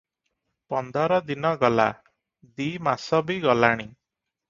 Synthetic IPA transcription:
pɔnd̪ɔɾɔd̪inɔɡɔla̰ | d̪imasɔbiɡɔlaɽ̃i

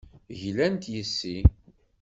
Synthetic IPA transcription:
ʝlænt̪jəsːi

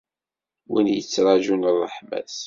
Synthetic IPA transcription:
winjət͡sːɾˤɑʒunərˤːəħmæ̰θ

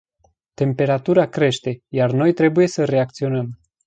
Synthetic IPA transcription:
t̪e̞mpe̞ɾat̪uɾakɾe̞ʃt̪e̞jarno̞jt̪ɾe̞buje̞səɾe̞ak̚t̪sio̞nəm

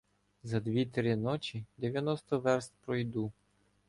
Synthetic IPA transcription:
zɐd̪ʋʲit̪ɾɪnɔt͡ʃʲid̪eʋʲjɐnɔst̪ɔʋɛɾst̪̚ʲpɾɔjd̪u

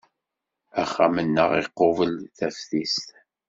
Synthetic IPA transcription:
æχːamənːə̰ʁɪqːovəlθæfθist̪

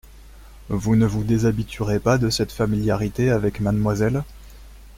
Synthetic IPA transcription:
vunəvud̪ezabit̪ʰyʁepad̪əsɛt̪familjaʁit̪eavɛkmad̪mwazɛl

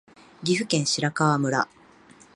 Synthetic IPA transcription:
ɡʲiɸɯ̟kẽ̞ɰ̃ɕiɾakaβamɯ̟ɾa̰

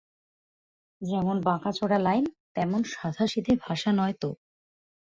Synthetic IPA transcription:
d͡ʑɛmonbãkat͡ɕʰoɽalajnt̪ɛmonʃad̪ʱaʃid̪ebʱaʃanɔet̪o

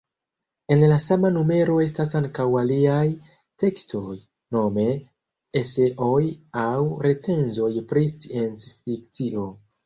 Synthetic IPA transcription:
e̞nlasamanume̞ɾo̞e̞stasaŋkawaliaj | te̞ksto̞j | no̞me̞ | ese̞ʔo̞jawɾe̞t͡se̞nzo̞jpɾist͡sient͡sfikt͡siʔo̞

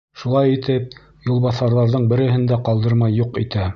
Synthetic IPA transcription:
ʃulˠɑjit̪ɘp̚ | julˠβɑθɑɾðɑɾðɤɴbɘ̆ɾɘ̆ɦɘnd̪æqɑlˠd̪ɤ̆ɾmɑjːuqit̪æ

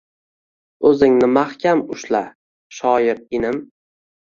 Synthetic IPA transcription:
ɵzɪŋnɪmahkʲʰamʊʃla | ʃɒjɪɾɪnɪm

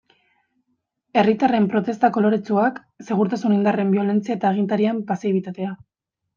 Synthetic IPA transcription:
e̞rit̪are̞mpɾo̞t̪e̞st̪ako̞lo̞ɾe̞t͡suak | se̞ɣuɾt̪asunind̪are̞mbjo̞le̞nt͡siae̞t̪aːɣ̞int̪aɾiampasiβit̪at̪e̞a

